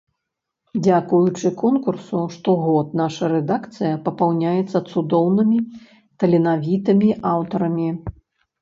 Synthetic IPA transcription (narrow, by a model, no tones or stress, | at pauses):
d͡zʲakujut͡ʂɨkɔnkursuʂt̪ɔɣɔt̪̚naʂɐɾɛd̪akt̪sɨjɐpɐpawnʲajɛt̪sːɐt̪sud̪ɔwnɨmʲi | t̪ɐlʲɛnavʲit̪ɨmʲiʔawt̪ɐɾɐmʲi